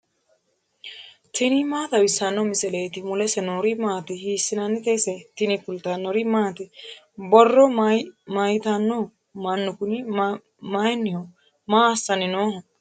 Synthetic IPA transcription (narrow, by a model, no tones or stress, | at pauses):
t̪ʰɪnimaːt̪ɐwɪsːɐnːɔmɪsɛleːt̪ɪmʊlɛsɛnoɾimaːt̪ɪhiːsːɪnɐnːɪt̪esɛt̪ɪnikʊlt̪ɐnːɔɾimaːt̪ɪ | bɔrːɔmajɪt̪ɐnːɔ | mɐnːʊkʊni | majnːɪho | maːsːɐnɪnoːh